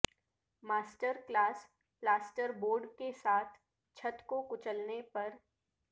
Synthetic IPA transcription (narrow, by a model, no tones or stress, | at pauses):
maːsʈəɾklaːs | plaːsʈəɾboːɾɖkesaːt̪ʰ | t͡ʃʰɐt̪kokʊt͡ʃəlnepɐɾ